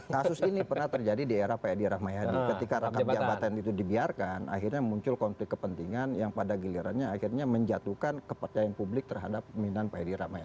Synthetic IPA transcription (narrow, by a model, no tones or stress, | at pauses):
kasʊsinipərnaht̪ərd͡ʒadidieɾahpaadiɾahmajadikəikaɾakat̪d͡ʒabat̪anit̪udibiarkanʔa̰hirɲamuɲt͡ʃʊlkɔnflɪk̚ːəpənt̪iŋanjaŋpadaɡiliɾa̰nɲaːhirɲaməɲd͡ʒat̪ukankəpərt͡ʃajanpublɪk̚t̪ərɦadap̚minanpajadiɾahmaja